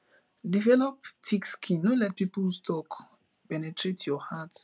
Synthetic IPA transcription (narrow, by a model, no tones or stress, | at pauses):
divɛlɔptʰikskʰĩnolɛt̚piplstʰɔk | pɛnetʰɹetʰjɔhats